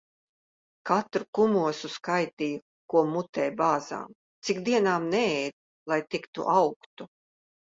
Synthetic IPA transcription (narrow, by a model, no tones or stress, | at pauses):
kat̪ɾukumuɔsuskajt̪iju | kuɔmut̪ɛːjbaːza̰ːm | t̪sikd̪iɛnaːmnɛɛjd̪̚ | lˠajt̪ikt̪ṵʔawkt̪u